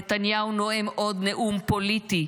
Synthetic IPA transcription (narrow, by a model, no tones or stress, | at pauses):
t̪anjawnoemʔod̪neʔumpolit̪i